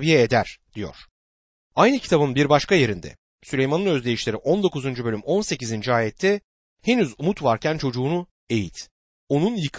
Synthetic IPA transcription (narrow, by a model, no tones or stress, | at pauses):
vijɛed̪æɾ̥d̪̥ijo̞̰ɾ̝̥ | ajnɯcʰi̥t̪ʰabɯnbiɾbaʃkaje̞ɾind̪ɛ̰ | sylʲe̞jmanɯnø̞zlʲe̞jiʃlʲeɾiʔo̞nd̪o̞kuzund͡ʒubø̞lʲymo̞nse̞cizind͡ʒiaːjɛt̪ʰːɛ | he̞nyzumut̪vaɾcʰænt͡ʃʰo̞d͡ʒuːnu | e̞jit̪ | o̞nunjɯkʰ